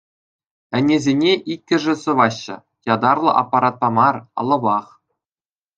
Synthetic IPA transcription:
ɘ̆nʲezʲenʲeʔikʲːɘ̆ʐɘ̆sɤ̆ʋɑɕːɤ̆ | jɑd̪ɑrlˠɤ̆ʔɑ̰pːɑɾɑt̪̚pɑmɑrɑ̰̆lˠɤ̆bɑχ

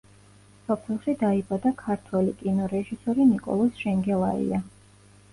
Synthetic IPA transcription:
sɔpʰɛlˠʃid̪aibad̪akʰaɾt̪ʰwɛlikʼinɔɾɛʒisɔɾinikʼɔ̰lˠɔsʃɛŋɡɛlˠaḭa

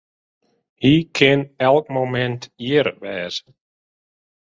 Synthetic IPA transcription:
hikʰɛnɛlˠk̚momɛ̃nt̪jɛɾvɛɾ̥

